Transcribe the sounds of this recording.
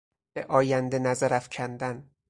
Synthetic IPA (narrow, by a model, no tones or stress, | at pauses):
beʔɒːjænd̪enæzæɾæfcʰænd̪æn